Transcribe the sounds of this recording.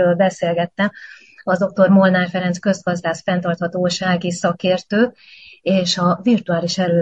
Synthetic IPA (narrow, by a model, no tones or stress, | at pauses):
øːlbɛseːlɡɛt̪ːɛm | ɒzd̪o̞k̚t̪o̞rmo̞lnaːrfɛɾɛnskø̞zɡɒzd̪aːsfɛnt̪ɒrt̪hɒt̪oːʃaːɡisɒkeːrt̪øːk̚ | eːʃɒvirt̪uaːliʃɛɾøː